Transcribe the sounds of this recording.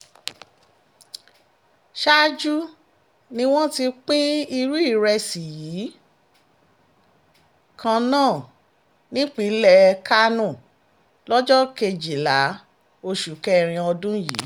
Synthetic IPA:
ʃa˦d͡ʒu˦ | nĩ˧w̃ɔ̃˦ti˧k͡pĩ˦i˧ɾu˦i˦˨ɾɛ˧si˨jiː˨˦ | kʰã˧nãː˦˨ | nĩ˦k͡pi˨˦lɛ˧ka˦nũ˦˨ | lɔ˦d͡ʒɔ˦ke˧d͡ʒi˨la˨˦ | o˧ʃu˨kɛ˦ɾ̃ĩ˧ɔ˧dũ˦jḭː˨˦

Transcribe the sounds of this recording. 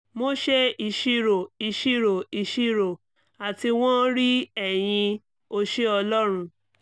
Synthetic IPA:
mo˦ʃe˦i˧ʃi˦ɾo˨i˧ʃi˦ɾo˨i˧ʃi˦ɾo˨ | a˨ti˧w̃ɔ̃˦ɾi˦ɛ˨j̃ĩ˧ | o˧ʃe˦ɔ˧lɔ˦ɾ̃ũ˧

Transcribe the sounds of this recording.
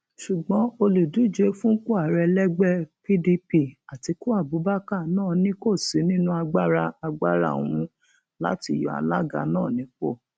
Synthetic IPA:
ʃu˨ɡ͡bɔ̃˨˦o˧le˨du˨˦˨d͡ʒe˨˦fũ˦ko˦a˨ɾɛ˧lɛ˦ɡ͡bɛ˦˨pi˦di˧pi˦a˨ti˨˧ku˦a˦˨bu˨˦ba˦ka˦˨nãː˦˨nĩ˦ko˦˨si˨˦nĩ˦nũ˦a˧ɡ͡ba˦ɾa˧a˧ɡ͡ba˦ɾa̰˦˨w̃ũ˧ | la̰˦ti˧˨jɔ˧˦a̰˧la˦ɡa̰˧˨nãː˦˨nĩ˨˦k͡po̰˦˨

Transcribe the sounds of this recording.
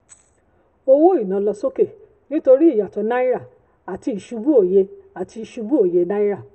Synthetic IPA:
o˧wo˦i˦˨nã˨˧˦lɔ˧so˦ke˦˨ | nĩ˦to˧ɾi˦i˦˨ja˨tɔ˧˦nã˦i˦ɾa˦˨ | a˨ti˧i˨ʃu˧bu˦o˨je˧a˨ti˧i˨ʃu˧bu˦o˨je˧nã˦i˦ɾa˦˨

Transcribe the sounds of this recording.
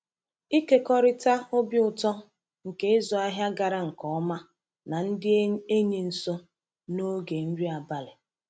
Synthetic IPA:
i˦ke˦kɔ˦ɾɪ˦ta˦o˦bi˦ʊ˨tɔ˦ | ŋ̩˨ke˦ɪ˦zɔ˨a˦ɦja˦ɡa˨ɾa˦ŋ̩˨kɔ˦ɔ˦ma˦ | na˨n̩˦dɪ˦e˦ɲi˨n̩˨so˦ | no˦ɡe˨n̩˦d͡ʒi˦a˨ba˨le˨

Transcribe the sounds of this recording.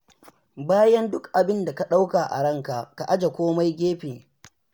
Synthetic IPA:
baː˦jɐ˦ndʊ˦kʔa˨bɪ˦nda˨ka˦ɗa˦wka˨ʔa̰˨ɽɐ˦˨ŋka˨ʔka˨ʔa˦d͡ʒa˨kʷoː˦ma˦jɡʲeː˦ɸeː˨

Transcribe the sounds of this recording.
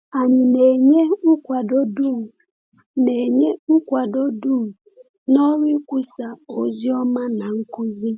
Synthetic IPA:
a˨ɲɪ˨ne˨ɲe˦ʊ˦kʷa˨do˦du˦˨ | ne˨ɲe˦kʷa˨do˦du˦˨ | nɔ˦ɾi˦kʷu˦sa˨o˨zjɔ˦ma˦na˨ŋ̩˦ku˦zi˦

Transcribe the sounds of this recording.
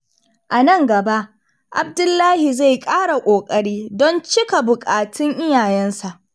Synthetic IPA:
ʔa˨nɐ˦ŋɡɐ˨ba˦ʔ | ʔa˨bdʊ˦lːaː˦hi˨za˦˨jkʼaː˦ɽa˨kʷʼoː˨kʼɐ˨ɽiː˦dɔ˦nt͡ʃɪ˦ka˨bʊ˨kʼaː˨tʰɪ˦ŋʔɪ˦jaː˨jɛ˦nsa˨ʔ

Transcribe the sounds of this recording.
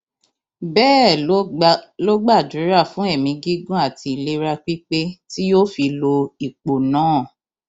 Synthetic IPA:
bɛː˦˨ | lo˦ɡ͡ba˦˨d͡ʒu˨˦ɾa˦˨fũ˨˦ɛ˦˨mĩ˧ɡi˦ɡũ˦a˦˨ti˧i˨le˧ɾa˧k͡pi˦k͡pe˦ti˦jo˦fi˧lo˧i˨k͡po˨nãː˨˦˨

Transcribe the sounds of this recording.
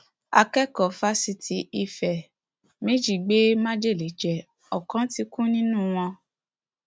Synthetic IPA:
a̰˧kɛ˦kɔ˨fa˦si˧tʰi˨˦i˦˨fɛ˨ | mĩ˦d͡ʒi˦˨ɡ͡be˦mã˦d͡ʒe˦˨le˨˦d͡ʒɛ˨ | ɔ˨kã˨˦ti˧kũ˦nĩ˦nũ˦˨w̃ɔ̃˧

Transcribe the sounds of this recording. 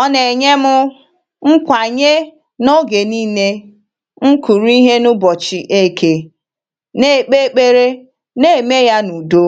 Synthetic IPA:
ɔ˦ne˨ɲe˦mʊ˦ | ŋ̩˦kʷa˨ɲe˦ | no˦ɡe˨niː˦ne˦ | ŋ̩˦ku˨ɾi˦ɦe˦nʊ˦bɔ˨t͡ʃi˨ʔe˦˨ke˦ | ne˦˨k͡pe˦k͡pe˦ɾe˦ | ne˦˨me˦ja˦nu˨do˦

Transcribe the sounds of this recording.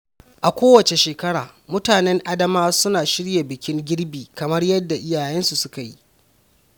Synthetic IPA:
ʔa˨kʷoː˦wɐ˨t͡ʃe˨ʃeː˨kɐ˦ɽaː˨mʊ˦taː˨nɛ˦ŋʔa˦dɐ˦maː˦sʊ˦naː˨ʃɪ˦ɽja˨bɪ˨kʲɪ˦ŋɡʲɪ˦ɽbiː˨kɐ˨mɐ˦rjɐ˦dːa˨ʔɪ˦jaː˨jɛ˦nsu˨sʊ˦ka˨ji˦ʔ

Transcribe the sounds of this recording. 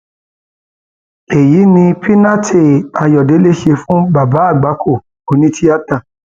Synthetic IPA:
e˨ji˨˦nĩ˧pʰi˦na˦tʰe˦˨a˧jɔ˨de˨˦le˦ʃe˧fũ˦ba˨ba˨˦a˦˨ɡ͡ba˨˦kʰo˦˨ | o˧nĩ˦tʰi˦a˦ta˦˨

